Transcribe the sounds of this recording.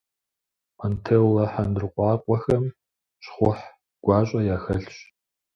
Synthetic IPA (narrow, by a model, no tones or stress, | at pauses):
ʔɐntʰewlɐħandɨrqʷʼɑːkʷʼɔxɐm | ɕχʷʊħ | ɡ̥ʷɑːɕʷʼɐjaːxɐɬɕ